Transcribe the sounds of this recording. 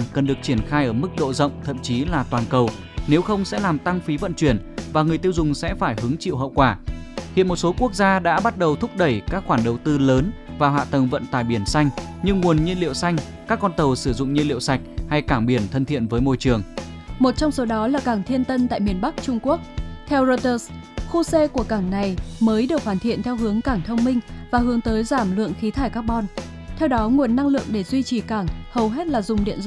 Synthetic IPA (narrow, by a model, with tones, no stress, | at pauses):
kə˨˩nɗɨ˨˩ək̚t͡ɕi˧˩ənxaː˧jʔəː˧˩mɨ˦˥k̚ɗo̰˧˨zə̰˧˨wŋ͡mt̪ʰə̰˧˨mt͡ɕi˨˦laː˨˩t̪waː˨˩nkə˨˩w | ne˨˦wxə˧wŋ͡msɛ̰˧˥laː˨˩mt̪a˧ŋfi˨˦və̰˧˨nt͡ɕwi˧˩ənvaː˨˩ŋɨ˨˩əjt̪i˧əwzʊ˨˩ŋ͡msɛ̰˧˥faː˧˩jɦɨ˨˦ŋt͡ɕḭ˧˨wɦə̰˧˨wkwaː˧˩hḭ˧˨ənmo˨˩t̚so˨˦ku˦˥ək̚zaː˧ɗa̰ː˧˥ɓa˦˥t̚ɗə˨˩wt̪ʰʊ˦˥k͡p̚ɗə˧˩jkaː˦˥k̚xwaː˧˩nɗə˨˩wt̪ɨ˧ləː˨˦nvaː˨˩ɦwa̰ː˧˨t̪ə˨˩ŋvə̰˧˨nt̪a̰ː˧˨jɓi˧˩ənsa˧jŋ̟ɲɨ˧ŋːu˨˩ənɲi˧nlḭ˧˨əwsa˧jŋ̟ | kaː˦˥kːɔ˧nt̪ə˨˩wsɨ˧˩zʊ̰˧˨ŋ͡mɲi˧nlḭ˧˨wsa˨˩jk̟̚ha˧jkaː˧˩ŋɓi˧˩ənt̪ʰə˧nt̪ʰḭ˧˨ənvəː˨˦jmo˧jt͡ɕɨ˨˩əŋ | mo˨˩t̚t͡ɕɔ˧wŋ͡mso˨˦ɗɔ˨˦laː˨˩kaː˧˩ŋt̪ʰi˧ənt̪ə˧nt̪a̰ː˧˨jmi˨˩ənɓa˦˥k̚t͡ɕʊ˧ŋ͡mku˦˥ək̚t̪ʰɛ˧wzo˧jt̪əː˧s | xu˧se˧ku˧˩əkaː˧˩ŋna˨˩jməː˨˦jɗɨ˨˩ək̚faː˧˩nt̪ʰḭ˧˨ənt̪ʰɛ˧wɦɨ˨˦əŋkaː˧˩ŋt̪ʰə˧wŋ͡mmï˧ŋ̟vaː˨˩ɦɨ˨˦əŋt̪əː˨˦jzaː˧˩mlɨ̰˧˨əŋxi˨˦t̪ʰaː˧˩jkaː˦˥k̚ɓɔ˧n | t̪ʰɛ˧wɗɔ˨˦ŋu˨˩ənːa˧ŋlɨ̰˧˨əŋɗe˧˩zwi˧t͡ɕi˨˩kaː˧˩ŋhə˨˩wɦe˦˥t̚laː˨˩zʊ˨˩ŋ͡mɗḭ˧˨ənz